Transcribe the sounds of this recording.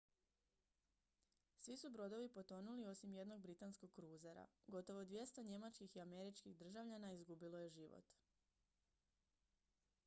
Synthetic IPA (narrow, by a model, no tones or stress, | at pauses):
sʋisubɾo̞d̪o̞ʋipo̞t̪o̞nulio̞simje̞d̪no̞ɡ̚bɾit̪ansko̞ɡ̚kɾuːzeɾa̰ɡo̞t̪o̞ʋod̪ʋje̞st̪o̞ɲe̞mat͡ʃkixiame̞ɾit͡ʃkiɣd̪r̩ʒaʋʎanaizɡubilo̞je̞ʒiʋo̰t̪